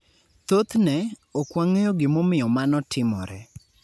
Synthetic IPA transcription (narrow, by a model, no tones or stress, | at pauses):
t̪ot̪nɛ | okwaŋejoɡɪmomɪjɔmanɔtʰɪmɔ̰ɾɛ